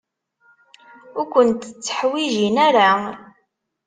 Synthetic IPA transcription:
ʊɾkʷənt̪t͡sːə̥ħwiʒinæɾa

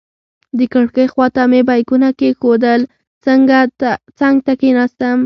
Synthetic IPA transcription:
d̪əkəɽkəjxwɑt̪amebajkunakexod̪əl | t͡səŋɡat͡saŋɡ̚t̪akenɑst̪əm

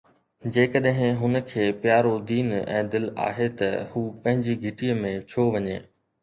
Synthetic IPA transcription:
d͡ʑeːkəɗɦɪ̃ɦʊnə̆kʰeːpjaːɾod̪iːnɛ̰̃ːd̪ɪla̰ːɦet̪ɐhuːpɐ̃ɦɪ̃ɲd͡ʑiɡʱɪʈiəmẽt͡ɕʰoːʋɐɲeː

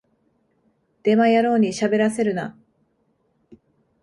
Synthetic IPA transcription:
d̪̥e̞majaɾo̞ːɲ̟iɕabe̞ɾase̞ɾɯ̟na̰

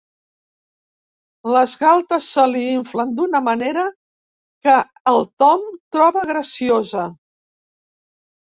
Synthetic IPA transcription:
ləzɣalˠt̪əsːəliiɱflənd̪unəməneɾə | kəː | lˠt̪ɔmt̪ɾɔβəɣɾəsiozə

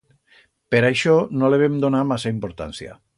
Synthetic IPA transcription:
peɾajʃɔnoleβ̞emd̪onamasaimpoɾt̪a̰nsia̰

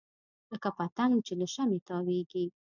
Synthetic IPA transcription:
ləkafat̪aŋɡt͡ʃelaʃamet̪ɑweɡi

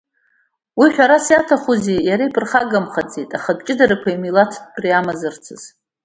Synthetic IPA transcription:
wiħʷᶣaɾasjatʰaχuzejaɾaipʰʼɨrχaɡamχad͡zitʼaχad̚t͡ʃʼɪdaɾakʷʰaimilatʰd̚pʰriamazɨrt͡sʰɨz̥

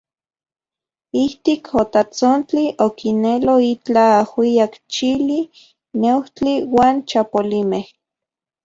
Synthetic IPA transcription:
iht̪ikʰot̪at͡sont͡ɬiʔokineloit͡ɬaːhwiakt͡ʃili | newt͡ɬiwaːnt͡ʃapolimeh

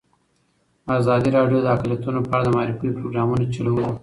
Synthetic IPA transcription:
azɑd̪iɾɑɖjod̪əakljat̪unopɑːɽad̪əmɑɾifujpɾoɡɾɑmunat͡ʃaluwu

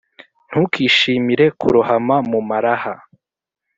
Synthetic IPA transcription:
n̥hukʰiːʃiːmiɾe̞kʰṵɾuhamamumaɾaha

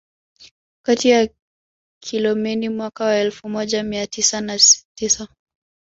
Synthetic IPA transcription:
katija | kʰilɔmɛnimwakawaɛlfumɔʄamiatisanatisa

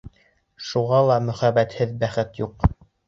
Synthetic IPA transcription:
ʃuʁɑlˠɑmɵ̆χæbæt̪hɘðbæχɘt̪juq

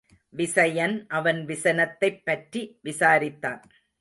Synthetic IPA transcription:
ʋɪsɐjɐnʔɐʋɐnʋɪsɐnɐt̪ːɐɪpːɐʈriʋɪsaːɾɪt̪ːaːn

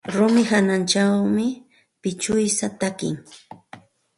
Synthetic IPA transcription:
ɾʊmɪhanant͡ʃawmɪ | pɪt͡ʃʊjsat̪akɪ̰ŋ

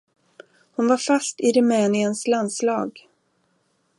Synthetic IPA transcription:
hʊnvaɾfast̪ɪɾɵmɛːnɪənslanslɑːɡ

